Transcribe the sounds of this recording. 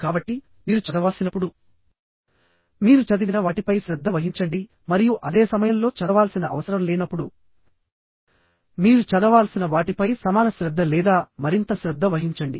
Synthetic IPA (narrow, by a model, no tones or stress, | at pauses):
kaːbɐʈːi | miːɾut͡ʃɐd̪ɐʋaːlsinɐpːuɽu | miːɾut͡ʃɐd̪iʋinɐʋaːʈipɐjʃɾɐd̪ʱːɐʋɐɦiɲt͡ʃɐɳɖi | mɐɾijuʔɐd̪e̞ːsɐmɐjɐmlo̞ːt͡ʃɐd̪ɐʋaːlsinɐʔɐ̰ʋɐsɐɾɐmlɛːnɐpːuɽu | miːɾut͡ʃɐd̪ɐʋaːlsinɐʋaːʈipɐjsɐmaːnɐʃɾɐd̪ʱːɐlɛːd̪aːmɐɾint̪ɐʃɾɐd̪ːɐʋɐɦiɲt͡ʃɐɳɖi